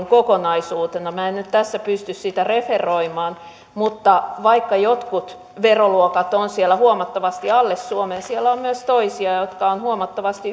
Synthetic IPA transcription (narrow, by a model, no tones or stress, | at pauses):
ŋkokonɑisuːt̪enɑmæːennyt̪t̪æsːæpyst̪yssit̪æreferˑoimɑːn | mut̪ːɑʋɑikːɑjot̪kut̪ | ʋeroluokɑt̪onsielːˑæhuomɑt̪ːɑʋɑst̪iɑlːesːuomensielːæommyøst̪oisiɑjot̪kɑonhuomɑt̪ːɑʋɑst̪i